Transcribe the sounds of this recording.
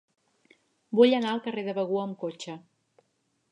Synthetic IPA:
buʎənaəlˠkəreðəβəɣ̞uəːmkot͡ʃə

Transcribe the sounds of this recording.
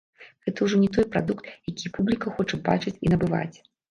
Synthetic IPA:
ɣɛt̪ɐwʐɔnʲɛt̪ɔjpɾad̪ukt̪jakʲipublʲikɐxɔt͡ʂɐba̰t͡ʂɨt͡sʲinɐbɨva̰t͡sʲ

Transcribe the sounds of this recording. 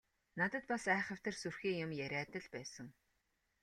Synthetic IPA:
nat̪ə̆t̪̚pasæːχə̆w̥ʲt̪ə̆rsurxiːjʊmjæɾʲæːt̪ə̆ɮpæːsə̆ŋ

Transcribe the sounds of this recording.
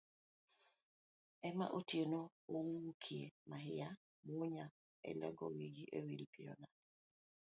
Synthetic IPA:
ɛma̰ʔotieno | owukʰiemaɦɪja | moɲa | ɛ̰lɛ̰ɡɔwiɡiʔewilpiɔ̰na

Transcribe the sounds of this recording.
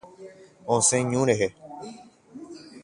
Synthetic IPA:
õːsẽːɲũːɾeɦe

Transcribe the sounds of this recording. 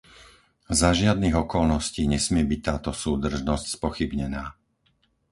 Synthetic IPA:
zaʒɪad̪niɣɔkɔlnɔsciːɲɛsmɪɛbic̚t̪aːt̪ɔsuːd̪r̩ʒnɔscspɔxibɲɛnaː

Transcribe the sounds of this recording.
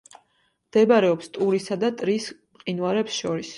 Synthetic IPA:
md̪̥ɛbaɾɛɔpst̪ʼuɾisad̪at̪ʼɾis | qʼinwaɾɛpsʃɔɾis

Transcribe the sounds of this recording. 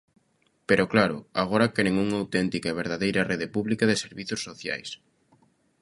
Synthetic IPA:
peɾʔʊklaɾʊ̰aɣ̞oɾɐkɛɾeŋuŋawt̪ɛnt̪ikaeβ̞eɾð̞aðejɾɐrʔeðɪpuβlikaðɪseɾβiθosːoθja̰js

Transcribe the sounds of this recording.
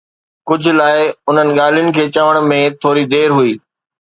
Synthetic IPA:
kʊd͡ʑʱʊ̆laːɪʊn̤ənɪ̆ɠaːlijʊnɪ̆kʰeːt͡ɕaʋəɽ̃mẽt̪ʰoːɾid̪eːɾɦuiː

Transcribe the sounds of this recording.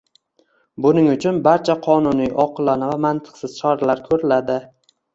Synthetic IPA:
bʊnɪŋʊt͡ʃʰʊnbaɾt͡ʃʰaqʰɒnʊnijʔɒqʰɨlˠanavamant̪ʰɨ̥qsɪz̥t͡ʃʰɒɾalaɾkʰɵɾɪlad̪ɪ

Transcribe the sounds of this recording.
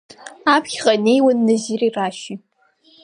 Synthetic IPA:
aːpʰxʲqɐnejwʊnːɨʑiriːraːʃi

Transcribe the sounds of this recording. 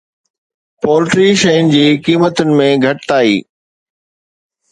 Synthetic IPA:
pɔːlɪʈɾiʃɐjʊnd͡ʑiːkiːmət̪ʊnɪ̆mẽɡʱɐʈt̪aːḭː

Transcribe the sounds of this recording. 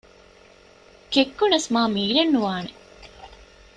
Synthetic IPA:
kekːunɐsmaːmiːɾenːuʋaːne

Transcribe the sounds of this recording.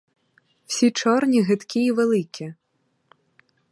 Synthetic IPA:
w̥sʲit͡ʂɔrnʲiɣɛt̪kʲiːʋɛlˠɪkʲi

